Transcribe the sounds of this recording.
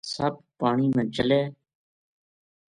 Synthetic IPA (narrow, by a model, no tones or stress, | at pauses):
səb̚paːɳiːmãːt͡ʃəleː